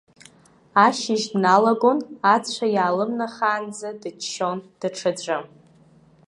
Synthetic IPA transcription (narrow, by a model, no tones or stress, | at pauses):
aʃɪʒdnalaɡo̞nat͡ɕʷʰajaːlɨmnaχaːnd͡zadɨt͡ʃːo̞nd̥ɨʈ͡ʂʰɨd͡zʷɨm